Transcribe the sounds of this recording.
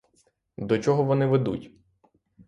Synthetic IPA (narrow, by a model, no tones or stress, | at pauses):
d̪ɔt͡ʃɔɦɔʋɔnɪʋed̪ṵtʲ